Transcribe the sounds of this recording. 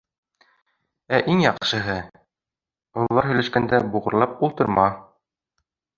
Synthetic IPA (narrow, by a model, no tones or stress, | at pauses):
æʔiŋjɑqʃɤ̆ɦɤ | ŭlˠɑɾɦɵ̆jlæʃkænd̪æbuʁɤ̆ɾlˠɑp̚ulˠt̪ɤ̆ɾmɑ